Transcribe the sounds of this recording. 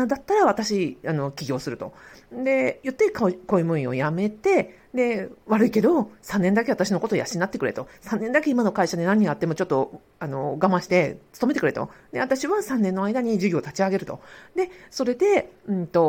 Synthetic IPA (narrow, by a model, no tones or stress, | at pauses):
d̪at̪ːaɾaβat̪aɕiano̞kʲiɡʲo̞ːsɨɾɯ̟t̪o̞̰d̪e̞jɯ̟t̪ːekkoimɯ̟̃ĩo̞̰jame̞t̪e̞ | d̪e̞βaɾɯ̟ike̞d̪o̞sãnːẽ̞nd̪ake̞at̪aɕino̞ko̞t̪oja̰ɕiɲinat̪ːekɯ̟ɾe̞̰t̪o̞sãnːẽ̞nd̪ake̞imano̞kaiɕad̪e̞nãɲ̟ːĩat̪ːe̞mo̞t͡ɕo̞t̪ːo̞ | ano̞̰ɡamãɕi̥t̪e̞t͡sɨ̥t̪o̞me̞t̪ekɾet̪o̞̰d̪e̞βat̪aɕiβasãnːẽ̞nːo̞aid̪aɲ̟iʑɨɡʲo̞ːt̪at͡ɕiaɡe̞ɾɯ̟t̪o̞̰d̪e̞so̞ɾe̞d̪e̞ɯ̃nt̪o̞